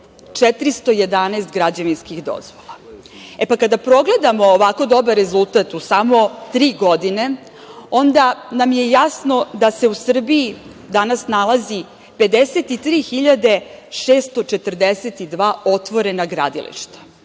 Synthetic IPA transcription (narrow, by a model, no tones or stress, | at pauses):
t͡ʂet̪ɾist̪o̞je̞d̪anɛːst̪ɡɾad͡ʑaʋinskiɣd̪o̰zʋolˠa | epakad̪apɾo̞ɡle̞d̪amo̞ːʋako̞d̪o̞baɾezulˠt̪at̪usamo̞t̪ɾiːɡo̞d̪ine̞ | o̞nd̪anamje̞jasno̞d̪ase̞usr̩bii | d̪anasnalˠazi | pe̞d̪eset̪it̪ɾiːxiʎad̪e̞ʃeːst̪ot͡ʃet̪r̩d̪eset̪id̪ʋaːo̞t̪ʋo̞ɾe̞naɡɾa̰d̪ḭlḭʃt̪ḁ